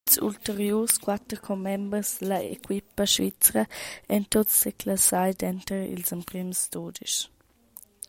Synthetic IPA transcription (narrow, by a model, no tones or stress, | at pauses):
sṵltəɾjuːskwat̪ɾkʰɔmːɛmbəsd̪əlɐḛkʰwipəʃvit͡sɾɐɛnt̪otsːekʰlasajd̪ɛnt̪əɾḭlsəmpɾimst̪oːdiʃ